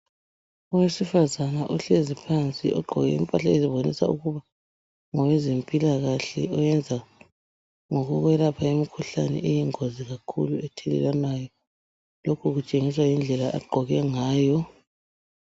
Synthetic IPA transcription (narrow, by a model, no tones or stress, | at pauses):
ɔwesifazanaʔuɬezipʰant͡sʼiɔ̰ɡ͡ǃʱɔɣɛḭmpʼaɬaeziβonḭsa̰uɣuβa | ŋɔwezempʼilaɣaɬɛɔjɛnd͡zʱa | ŋɔɣuɣwɛlapʰaemikʰuɬa̰nɛ̰ʔejiŋoziɣakʰṵluɛtʰɛlɛ̰lwanajɔ | lokʰuɣut͡ʃʼeŋiswajind͡ɮʱɛlaʔa̰ɡ͡ǃʱɔɣɛŋaːjɔ